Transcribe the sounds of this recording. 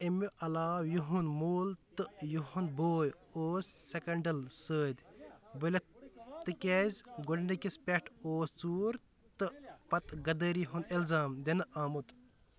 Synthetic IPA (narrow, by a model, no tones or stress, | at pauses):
emuʔɐlaːwjuɦunmuːlt̪ɨjuɦunboːj | oːsːekɐɳɖɐlsəːd̪ʲbəlʲɐt̪ɨkezʲɡoɽnikispʲeʈʰoːst͡suːɾ | t̪ɨpɐt̪ɡɐd̪əːɾiɦunilzaːmd̪ʲenɨʔaːmut̪